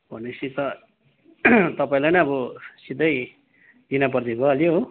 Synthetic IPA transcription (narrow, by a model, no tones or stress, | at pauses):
b̥ʱʌnesit̪ʌ | t̪ʌpaĩlajnʌʌbʌsid̪ʱʌj | d̪inap̬ʌrd̪ibʱʌʌljoɦ